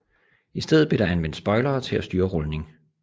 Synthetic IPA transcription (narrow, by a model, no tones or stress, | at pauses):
isd̥eð̞̰̩ˠb̥le̝ɾ̥ɑ̈ænʋen̰d̥sb̥ɒ̽ɪlɐːt͡sʰe̝læsd̥yːɐʁɔ̽lne̝ŋ